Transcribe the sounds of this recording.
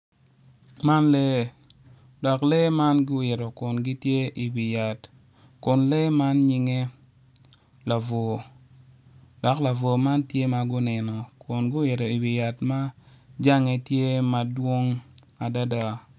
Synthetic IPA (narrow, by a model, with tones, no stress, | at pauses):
ma˦nle˦ | dɔ˨kle˦ma˦nɡʊ˦wɪ˨ɾo˨kʊ˨nɡi˦tje˦ʔi˨wi˨ja˨t | kʊ˨nle˦ma˦nɲɪ˦ŋe˦ | la˨vo˨ | dɔ˨kla˨vo˨ma˦ntje˦ma˨ɡʊ˦nɛ˨nɔ˨kʊ˨nɡʊ˦wɪ˨ɾo˨i˨wi˨ja˨tma˦d͡ʒa˦ŋe˨tje˦ma˨dwo˦ŋ | a˨da˦da˦